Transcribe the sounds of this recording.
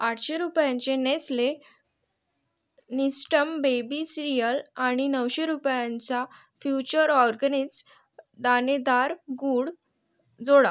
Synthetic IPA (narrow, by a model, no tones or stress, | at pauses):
aʈʰɕeɾupjãɲt͡ɕenesle | nisʈəmbebisiɾijəlaɽ̃inəwɕeɾupjãɲt͡sa | fjut͡ɕəɾɔɾɡənid͡z | d̪aned̪aɾɡuɽ | d͡zoɽa